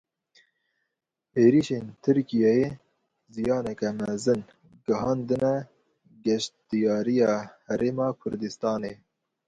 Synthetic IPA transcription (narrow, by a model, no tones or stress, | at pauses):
eːɾiʃeːnt̪ʰɨɾkijɛje | zijɑːnɛkɛmɛzɨn | ɡɨɦɑːnd̪ɨnɛ | ɡɛʃd̪ijɑːɾijɑːhɛɾeːmɑːkʰʊɾd̪ɨst̪ɑːneː